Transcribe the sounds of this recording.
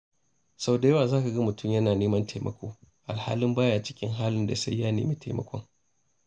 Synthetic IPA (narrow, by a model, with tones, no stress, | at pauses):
sa˨˦wda˨jɐ˦waː˨zaː˦ka˨ɡɐ˦mʊ˨tʊ˦˨mjɐ˦naː˨neː˦mɐ˦nta˨jmʔɐ̰˨kʷo̰ː˦ | ʔa˨lha̰ː˦lɪ˦mbaː˦jaː˦˨t͡ʃɪ̥˦kʲɪ˦ŋɦaː˦lɪ˦nda̰˨sa˦jjaː˦nḛː˨miː˦tʰa˨mɐ̰˦kʷʰɔ̰˦ŋ